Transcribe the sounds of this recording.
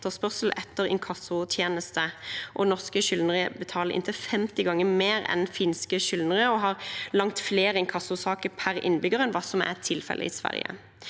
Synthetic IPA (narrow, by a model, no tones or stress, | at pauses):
t̪əspœʁsl̩ʔɛt̪ʰːəʁɪ̰nkʰɑsʊt̪ʰjeːnəst̪əʔɔnɔʁskəʃʏlnəʁəbət̪ʰɑːləʁɪ̰nt̪ʰəfɛmt̪ɪɡɑŋːəmeːʁɛ̰nfɪnskəʃʏlnəʁəɔɦɑʁlɑŋt̪fleːʁəɪnŋkʰɑsʊsɑːkəpʰæʁɪ̰nːbʏɡəʁɛnʋɑːsɔmæ̰t̪ʰɪlfɛ̰lʔə̰ḭsʋæ̰ʁjə̰